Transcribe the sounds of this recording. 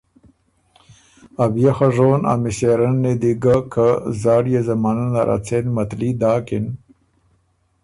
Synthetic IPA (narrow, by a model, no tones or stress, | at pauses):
abjexaʐoːna̰miseɾɐnːed̪iɡakʰazaːɽjezɐmananaɾʔa̰t͡sʰenmɐt̪lid̪aːkin